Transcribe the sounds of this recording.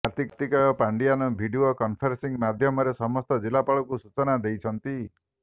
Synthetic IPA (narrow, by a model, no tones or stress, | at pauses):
aɾt̪ikt̪ikɔjɔpaɳɖianɔbʱiɖiokɔmpʰɔɾsiŋmad̪ʱjɔmɔɾesɔmɔst̪ɔd͡ʒilapaɭɔkusut͡ʃɔnad̪ejt͡ʃʰɔnt̪i